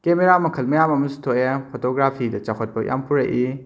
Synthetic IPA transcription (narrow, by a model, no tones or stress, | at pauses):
kemeɾamɐkʰɐlmɐjamɐmɐsu̥tʰoepʰotoɡɾapʰidɐt͡ʃakʰɐt̚pɐjʔa̰mpuɾɐʔi